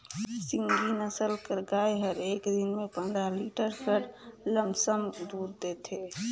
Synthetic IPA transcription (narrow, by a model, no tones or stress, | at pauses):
siŋɡinəsəlkəɾɡajɦəɾeːkd̪inmẽpənd̪ɾaliʈəɾkəɾləmsəmd̪uːɾd̪et̪e